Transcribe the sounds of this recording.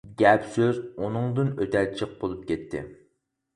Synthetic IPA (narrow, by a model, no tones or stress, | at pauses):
ɡʲɛpsøzunɨŋd̪ɨnøt̪ʰɛt͡ʃʰəq̚bolˠup̚kʲɛt̪ʰːɪ̰